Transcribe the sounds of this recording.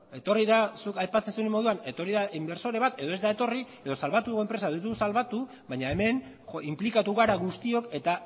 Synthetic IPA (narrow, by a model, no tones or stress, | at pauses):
e̞t̪o̞riðasukajpat͡se̞nsuemo̞ð̞uane̞t̪o̞riðaʔimbe̞ɾso̞ɾe̞β̞at̪e̞ð̞o̞e̞zd̪ae̞t̪o̞rie̞ðo̞salβat̪uɣoempɾe̞sait̪uusalβat̪u | βaɲae̞me̞n | implikat̪uɣaɾaɣust̪io̞ke̞t̪a